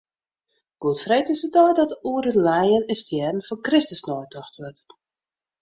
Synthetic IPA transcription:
ɡ̥uətfrejtɪsət̚dɔjdɔtuəɾətlɛjənɛnstjɛːdn̩fɔnkrɪstəsnɔjtʰɔxtʋət

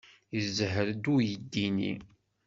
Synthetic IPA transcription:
jəzɦəɾd̪ujəd̪ːinḭ

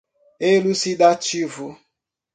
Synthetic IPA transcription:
elusidat͡ʃivʊ

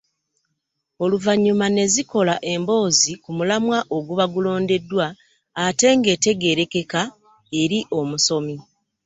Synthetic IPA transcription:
o̞luvaɲːumane̞ziko̞laʔe̞mbo̞ːzikumulamwaʔo̞ɡuβaɡulo̞ːnde̞dːwaː | te̞ŋɡe̞te̞ɡe̞ɾe̞ke̞ka | e̞ɾiʔo̞musomi

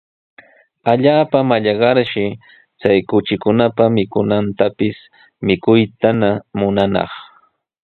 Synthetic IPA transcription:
aʎaːpamaʎɑɢɑɾʃɪ | t͡sajkʊt͡ʃɪkʊnapamɪkʊnant̪apɪs | mɪkʊjt̪anamʊnanɑ̰χ

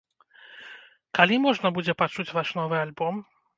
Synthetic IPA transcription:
kalʲimɔʐnɐbud͡zʲɛpat͡ʂut͡sʲvaʂnɔvɨalʲbɔm

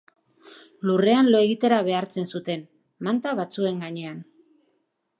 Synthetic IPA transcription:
lure̞anlo̞eɣit̪e̞ɾaβe̞aɾt͡se̞nsut̪e̞n | mant̪aβat͡sue̞ŋɡaɲe̞an

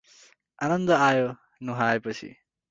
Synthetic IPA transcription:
anɐnd̪aajɔ | nuɦajpasḭ

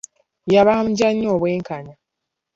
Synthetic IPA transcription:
jaβam̩ɟaɲːoːβweːŋkana

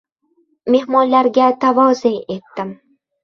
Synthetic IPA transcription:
me̞hmɒnlaɾɡʲat̪ʰavɒzɪne̞t̪ːɪm

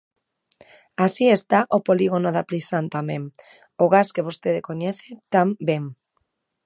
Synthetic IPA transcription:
asiest̪aʔopoliɣonoðaplisant̪amẽŋ | ʊɣaskeβost̪eðekoɲɛθet̪ambeŋ

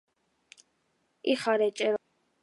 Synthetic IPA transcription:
iχaɾɛt͡ʃʼɛɾ

